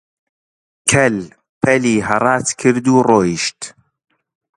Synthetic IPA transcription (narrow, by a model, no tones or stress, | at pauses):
kʰɐl | pʰɐliːhɐrˤɑːt̪kʰɨɾd̪uːroːjiʃt̪